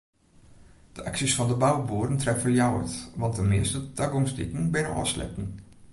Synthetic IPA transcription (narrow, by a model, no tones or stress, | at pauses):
d̥əʔɑksisfɑnd̪əbɑwboːɾənt̪ɾɛfəljɑwə̰t̪ʋɑnt̪̚dəmḛːstət̪ʰœɡɔŋstɪ̰kən̩bæːɾəʔɑ̰ːslœ̰tən̩